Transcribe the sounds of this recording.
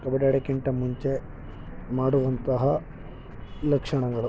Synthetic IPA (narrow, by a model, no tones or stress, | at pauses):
kɐbɐɖɐɽekiɳʈɐmuɲt͡ʃe | maːɽuʋɐnt̪ɐɦɐ | lɐkʂɐɳɐɡɐɭu